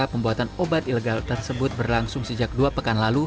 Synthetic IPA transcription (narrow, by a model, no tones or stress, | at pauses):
apəmbuɦat̪anobat̪ileɡalt̪ərsəbʊt̪̚bərlaŋsʊŋsəd͡ʒak̚duapəkanlalu